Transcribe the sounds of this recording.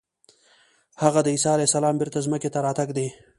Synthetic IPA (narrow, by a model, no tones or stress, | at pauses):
haɣad̪əisɑalahsalɑmbɪɾt̪azməket̪aɾɑt̪aɡd̪e